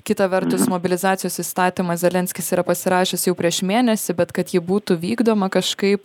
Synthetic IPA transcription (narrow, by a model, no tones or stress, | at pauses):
kʲɪt̪ɐʋʲɛɾt̪ʊsmoːbʲɪlʲɪzɑːt̪sʲɪjoːsist̪ɑːt̪ʲimɐszʲɛlʲɛnʲsʲkʲɪsiːɾɐpɐsʲɪɾɑːʃʲeːsjɛʊpʲɾʲiɛʃmʲeːnʲɛsʲɪbʲɛt̪kɐt̪jɪbuːt̪ʊʋʲiːɡd̪oːmɐkɐʃkɐɪp